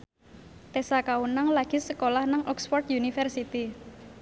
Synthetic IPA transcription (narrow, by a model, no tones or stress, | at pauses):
t̪esakawunaŋlaɡ̥i̤səkolahnaŋʔɔksfɔrt̪junifɛrsit̪i